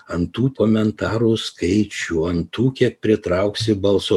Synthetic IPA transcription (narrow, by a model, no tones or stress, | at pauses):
ɐnt̪uːkoːmʲɛnt̪ɑːɾuːskɐɪt͡ʃʲuːɐnt̪uːkʲit̚pʲɾʲɪt̪ɾɑʊksʲɪbɐlˠsoː